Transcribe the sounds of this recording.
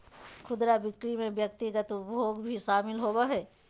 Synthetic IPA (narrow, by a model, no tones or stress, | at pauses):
kʰʊd̪ɾabɪkɾimẽbjəkt̪ɪɡət̪ʊpoːɡbʱiʃaːmɪlɦoːbaɦɛː